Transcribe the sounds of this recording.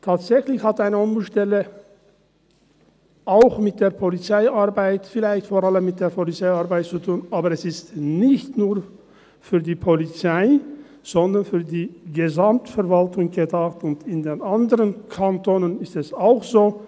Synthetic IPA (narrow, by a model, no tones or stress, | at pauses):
tʰaːtz̥ɛçlɪçhatʔaɪnəɔmbulʃtɛlə | ʔaʊxmɪt̚d̥eːɐpʰolit͡saɪʔaɐbaɪtfɪlaɪçtfoːʁaləmːɪt̚d̥eːɐpʰolit͡saɪaɐʁbaɪt̚t͡sutʰuːnaːbɐʁɛsɪstnɪçtnuːɐ | fyːɐdiːpʰolit͡saɪ | z̥ɔndɐnfyːɐdiːɡəzamtfɛɐvaltʊŋɡədaːxtʊntɪndeːnandəʁənkʰantʰoːnənɪstɛsaʊxz̥oː